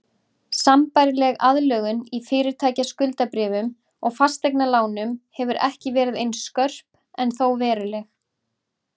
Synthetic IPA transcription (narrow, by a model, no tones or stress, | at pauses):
sampajɾɪlɛɣaðlœːɣʏnifɪːɾɪɾt̪ʰaːjcaskʏlt̪apɾɪːvʏm | ɔɣfḁst̪ejknalaːwnʏmhɛvʏɾʔɛ̰hcɪvɛːɾɪðejnskœr̥p | ɛnθowvɛːɾʏlɛx